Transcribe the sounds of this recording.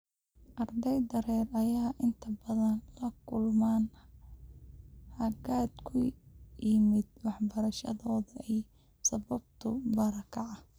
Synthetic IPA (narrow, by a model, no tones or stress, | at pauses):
ʔɐrd̪ɛjd̪ɐɾɛːrɐjaːʔɪnt̪ʰɐbɐðɐnlɐkʰʊlmaːn | hɐɡaːd̪kʰʊjɪmɪd̪wɑħbɐɾɐʃɐ̰ðɔːðɐɛj | sɐβɐb̚t̪ʰʊbɐɾɐkʰɐʕɐ